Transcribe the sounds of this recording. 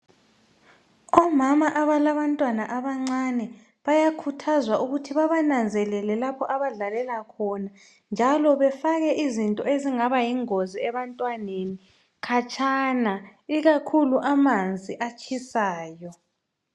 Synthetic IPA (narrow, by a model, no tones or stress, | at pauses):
ɔmamaʔaβalaβantʼwanaʔaβaŋ͡ǀanɛ | βajakʰutʰazwaʔuɣutʰiβaβanand͡zʱɛlɛlɛlapʰɔʔaβaɮalɛlakʰɔna | nd͡ʒʱalɔβɛfaɣɛʔizintʼɔeziŋaβajiŋoziɛβantʼwaneni | kʰat͡ʃʰʼanaiɣakʰuluʔamand͡zʱiʔat͡ʃʰʼisaːjɔ